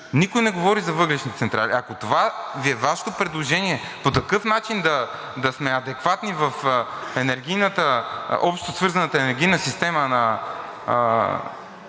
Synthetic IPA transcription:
nikojnɛɡovɔɾizɐvɤɡlɛʃnit̪ɛt̪sɛnt̪ɾa̰lḭɐkot̪ovaviɛvaʃt̪opɾɛd̪lˠoʒɛniɛ | pot̪ɐkɤfnat͡ʃind̪ɐ | d̪ɐsmɛɐd̪ɛkvat̪nivɐfɛnɛɾɡ̟ʲijnət̪əʔɔpʃt̪t̪osvɤɾzɐnət̪əɛnɛɾɡʲijnəsist̪ɛmənɐ

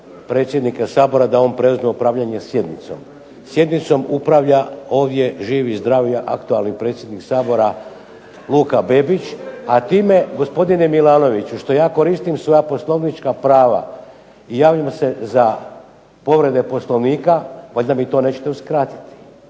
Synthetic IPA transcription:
pɾe̞t̪sjed̪nikasaːbo̞ɾad̪ao̞ːnpɾe̞uzmeupɾaːʋʎaɲe̞sje̞d̪nit̪so̰m | sje̞d̪nit̪so̞mupɾaʋʎao̞ːʋd̪je̞ʒiːʋizd̪ɾaːʋjaʔa̰kt̪ualˠnipɾe̞ːt̪sjed̪niksaːbo̞ɾa | lˠuːkabe̞bit͡ɕat̪iːme̞ɡo̞spo̞d̪inemilˠaːno̞ʋit͡ɕuʃt̪o̞jaːko̞ɾist̪imsʋo̞japo̞slˠo̞ʋnit͡ʃkapɾaːʋa̰ | ijaːʋʎamse̞za | po̞ʋɾe̞d̪e̞po̞slˠoʋniːkaʋaʎʲd̪amit̪o̞ːne̞t͡ɕe̥t̪euskɾaːt̪i̥t̪i̥

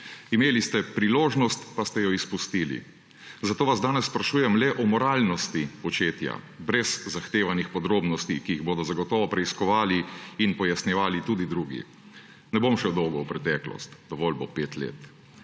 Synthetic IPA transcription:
imeːlist̪ɛpɾiloːʒnɔst̪past̪ɛjɔispust̪iːlḭ | zat̪oːʋazd̪aːnɛsːpɾaʃuːjɛmlɛʔɔmɔɾaːlnɔst̪ipɔt͡ʃeːt̪ja̰ | bɾɛzzaxt̪eːʋanixpɔd̪ɾoːbnɔst̪ikijiɣboːd̪ɔzaɡɔt̪ɔːʋɔpɾɛiskɔʋaːliinpɔjasnjɛʋaːlit̪ud̪id̪ɾuːɡḭ | nɛbomʃɛd̪ɔwɡɔwpɾɛt̪ɛklɔ̰st̪d̪ɔʋɔlbopeːt̪lḛːt̪

